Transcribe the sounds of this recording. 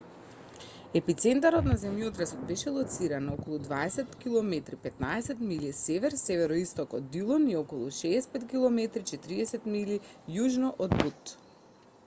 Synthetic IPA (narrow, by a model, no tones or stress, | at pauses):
ɛpit̪sɛnt̪aɾɔt̪nazɛmjɔd̪ɾasɔt̪̚bɛʃɛlˠɔt̪siɾanokɔlˠud̪vaɛsɛt̪kilˠɔmɛt̪ɾipɛt̪naɛsɛt̪milisɛvɛɾsɛvɛɾɔist̪ɔkɔd̪ːilˠɔniɔkɔlˠuʃɛːspɛt̪kilˠɔmɛt̪ɾit͡ʃɛt̪ɾiɛsɛt̪milijuʒnɔʔɔd̪but̪